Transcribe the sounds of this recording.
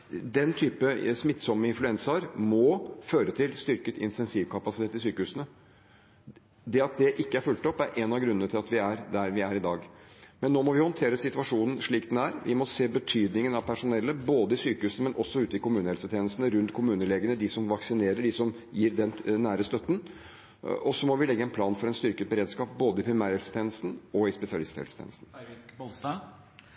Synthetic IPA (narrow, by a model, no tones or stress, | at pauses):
d̪ɛnt̪ʰyːpəsmɪt̪ːsɔmːəɪnflʉɛnsɑɾmɔføːɾət̪ʰɪlst̪ʏɾkət̪ʰɪ̰nt̪ʰɛnsiːʋkʰɑpɑsɪt̪ʰeːt̪ɪsyːkəhʉːsənə | d̪ɛɑt̪̚d̪ɛʔɪkːəæɾfʉlt̪ɔpːæɾʔɛnɑɡɾʉnːənət̪ʰɪlɑt̪ʋɪæɾd̪æɾʋɪæɾɪd̪ɑːɡmɛnːoːmɔʋɪhɔnt̪ʰeːɾəsɪt̪ʋɑʂuːnn̩ʂɭiːkd̪ɛnæɾʋʔɪ̰mɔseːbət̪ʰyːd̪nɪŋənɑʋpʰæʂʊnɛlːəboːd̪əɪsyːkəhʉːsəmɛnʔɔsːɔʉːt̪əɪkʰʊmʉːnəhɛlsət̪ʰeːnəst̪nəɾʉnt̪kʰʊmʉːnəleːɡənəɖ̪ɪsɔmʋɑksɪneːɾəɖɪsɔm | jiːɾd̪ɛnnːæːɾəst̪œt̪ːn | ɔsːɔmɔʋɪlɛɡːəɛnpʰlɑːnfɔɾɛnst̪ʏɾkəbəɾeːd̪skɑːp̚boːd̪əɪpʰɾɪmæːɾhɛlsə̥t̪ʰeːnəst̪n̩ɔɪspɛsɪɑlɪst̪ʰhɛ̰lsə̥t̪ʰḛːnəst̪n̩